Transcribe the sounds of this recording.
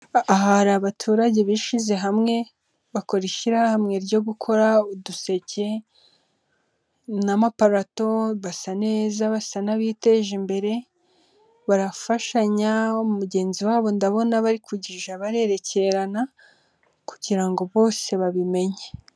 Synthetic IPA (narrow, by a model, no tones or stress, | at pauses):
aɦaɾaβatʰuːɾaɟe̞βiʃize̞ɦamŋe̞ | βako̞ɾiʃiɾahamŋe̞ɾɟo̞ɡukʰo̞ɾauduse̞ce̞ | namapaɾato̞βasane̞ːzaβasanaβiːte̞ʒimbe̞ɾe̞ | βaɾafaʃaɲauumuɟe̞ːnziwaːβo̞ndaβo̞naβaɾikuɟiʒaβaɾe̞ɾe̞ce̞ɾana | ku̥ɟiɾaŋɡo̞βo̞ːse̞βaβime̞ɲe